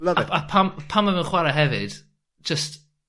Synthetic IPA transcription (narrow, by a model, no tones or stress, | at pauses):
ləapʰampʰamːavɛnχwaɾaɦɛvɨd̥ | d͡ʒ̥əst